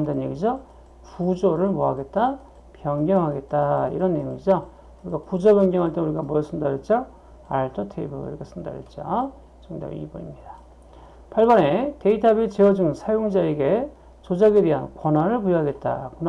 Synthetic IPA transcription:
ndanːeɡid͡ʑʌ | kud͡ʑoɾɯɭmoɦaɡe̞t̚t͈a | pjʌŋɡjʌŋɦaɡe̞t̚t͈aḭɾʌnːejoŋid͡ʑʌ | uɾiɡakud͡ʑʌbjʌŋɡjʌŋɦaɭt̬͈enuɾiɡamʌs͈ʰɯndaɾjʌt̚t͡ɕ͈ʌ | aɭtʰʌtʰebṵɡ̰ɾiɡasʰɯnda̰ɾjʌ̰t̚t͡ɕ͈o | t͡ɕʌŋda̰ɾḭbʌɲimɲida | pʰaɭbʌne̞te̞itʰabit͡ɕewʌd͡ʑɯŋsʰajoŋd͡ʑaeɡe̞ | t͡ɕod͡ʑaɡede̞ɦankwʌnɦaɾɯɭpujoɦaɡe̞t̚t͈a̰kun

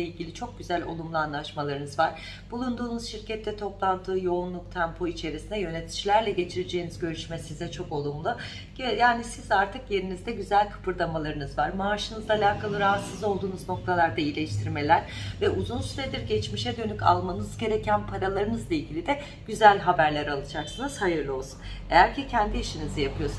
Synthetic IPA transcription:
eilʲɟʲilʲit͡ʃʰok̚ɟyzælʲo̞̰lˠumlˠuanlˠaʃmalˠaɾɯnɯzvaɾ̥ | b̥ulˠund̪uːnuzʃiɾcɛt̪ʰːɛt̪ʰo̞plˠand̪ʰɯːjo̞unlˠuk̚t̪ʰɛmpʰo̞it͡ʃʰe̞ɾisinɛjø̞net̪ʰi̥d͡ʒlʲæɾlʲɛɟe̞t͡ʃʰiɾed͡ʒe̞ːnizɟø̞ɾyʃmɛsizɛt͡ʃʰo̞ko̞lˠumlˠu | ɟjaːnisizaɾt̪ʰɯkje̞ɾinizd̪ɛɟyzælʲkʰɯ̥pʰɯɾd̪amalˠaɾɯnɯzvaɾmaːʃɯnɯzalʲaːkʰalˠɯɾaɦat̪sɯzo̞lˠd̪uːnuzno̞k̚t̪ʰalˠaɾd̪ailʲeʃt̪ʰiɾme̞lʲæɾ̥ | vɛʔuzunsyɾɛd̪iɾɟɛt͡ʃmiʃɛd̪ø̞nyca̰lˠmanɯzɟe̞ɾecʰænpʰaɾalˠaɾɯnɯzlˠailʲɟʲilʲid̪ɛ | ɟ̥yzælʲɦabæɾlʲæɾalˠɯd͡ʒaksɯnɯz̥hajɯɾlˠɯo̞lˠsune̞̰jæɾcicʰænd̪iiʃinizijapʰɯjo̞s

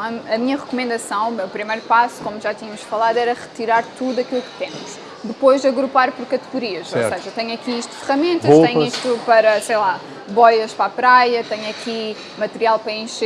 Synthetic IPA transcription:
ɐɐmiɲɐʁɨkumẽnd̪ɐsɐ̃w̃meupɾimɐjɾupasu̥komuʒat̪iɲɐmuʃfɐlˠaðwɛɾɐʁɨ̥t̪iɾaɾt̪uðuɐkilˠukt̪ẽmuʃ | d̪ɨpojʒd̪ɐɣɾupaɾpɔɾkɐt̪ɨɣuɾiɐʃosɐʒɐt̪ɛɲuɐkiiʃt̪u̥fɨʁɐmẽnt̪ɐʃt̪ɛɲiʃt̪upɐɾɐsejlˠa | bɔjɐʃpɾapɾajɐt̪ɛɲuɐkʰi | mɐt̪ɨɾialˠpɾɐẽʃ

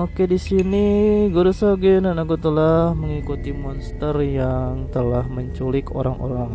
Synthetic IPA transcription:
okedisiniɡuɾusoɡinanakut̪əlahməŋikut̪imɔnst̪ərjaŋt̪əlahməɲt͡ʃulɪko̰ɾaŋʔo̰ɾaŋ

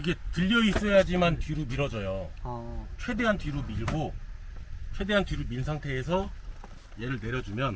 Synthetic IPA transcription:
iɡe̞tɯʎːʌis͈ʌjad͡ʑimantɥiɾumiɾʌd͡ʑʌjo | t͡ɕʰwe̞de̞ɦantɥiɾumiɭɡo | t͡ɕʰwe̞de̞ɦantɥiɾuminsʰaŋtʰe̞ːsʰʌ | je̞ɾɯɭne̞ɾjʌd͡ʑumjʌn

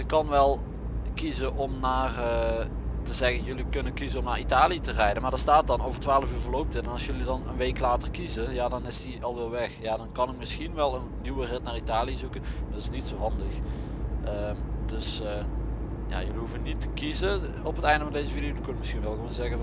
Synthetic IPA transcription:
ɪkːɑnʋɛlˠ | kizəʔɔmnaːrə | təzɛɣənjɵlikɵnənkizənɔmnaːɹitaːlijətərɛjdənmaːdɔːɹstaːt̚dɑnowvərtʋaːləfyːɹvəɹlowp̚tənɛnɑsjɵlidɑnənʋejklaːtərkizəjadɑnɪstiɑlˠʋɛlˠʋɛxjaːdɑnkɑnɪkmɪsxinʋɛlˠənːiʋərɪtnaːɹitaːliəzukəndɑtɪsnitsowɦɑndəxʔəmd̥ɵs | ja̰jɵliɦufənitə̥kizə | ɔpətɛjndəvɑndejzəviːdiowdkønmɪsxinʋɛlˠɣəʋoːnzɛɣəv

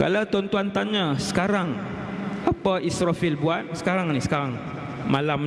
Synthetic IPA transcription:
ka̰lawt̪ɔnt̪uant̪anɲasə̥kaɾaŋ | apaʔisɾafilbuat̪̚sə̥kaɾaŋnisə̥kaɾaŋ | malam

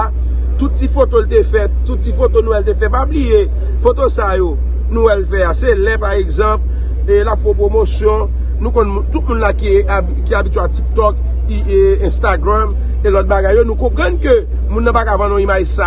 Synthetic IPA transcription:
t̪ut̪̚tifot̪olt̪efɛt̪̚tːut̪̚tifot̪onũwɛlt̪̬efɛpablije | fot̪osajo | nũwɛlfɛaselɛ̃paʁeɡzɑ̃p | elapfopʁomosjɔ̃ | nũkɔ̃nmũt̪ut̪̚mũnlaki | kiabitɥatik̚t̪ɔk | iɛ̃st̪aɡʁam | elɔt̪̚baɡajːonũkɔ̃pʁʌ̃nkø | mũnːɐ̃pakavãnɔ̃imajsa

